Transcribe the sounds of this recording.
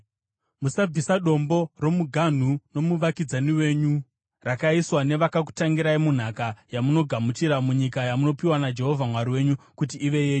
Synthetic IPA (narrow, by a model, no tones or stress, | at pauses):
musab͡visaɗo̞mbo̞ro̞muɡʱan̤uno̞muʋakid͡zaniwe̞ːɲu | rakaiswane̞ʋakak̬u̥taŋɡiɾaimun̤akajamuno̞ɡʱamutiɾamuɲikajamuno̞piwanad͡ʒe̞ɦo̞vʱamwaɾiwe̞ɲukut̬iːʋe̞je̞ːɲu